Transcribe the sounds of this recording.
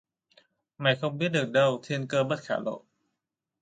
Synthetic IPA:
ma˨˩kʰɔ˧mbi˥dɯ˨˩də˧˩wt̪ʰi˧ə˧nkəː˧bə˦˥˩t̪̚kʰa̰ː˨˦lo̰˨˧˩ʔ̚

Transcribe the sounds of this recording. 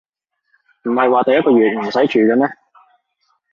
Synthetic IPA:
m̩˨˩hɐ˨jwaː˨t̪ɐ˨jɐ˥t̚kːɔː˧ɥyː˨˩t̚m̩˨˩sɐ˨˥jt͡ʃʰyː˨kɐː˧nɛː˥

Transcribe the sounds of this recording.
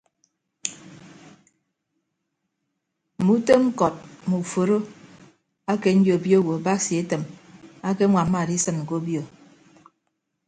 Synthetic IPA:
mu˦te˦ŋ̩˦kɔ˨t̚mu˨fo˨ɾo˦ | a˦ke˨n̩˦djo˨bjo˦˨wo˨ba˦sje˦tɨ˨ma˦ke˦ŋʷa˨m̩˦ma˨di˦sɨ˦˨nŋ̩˨ko˦bjo˨

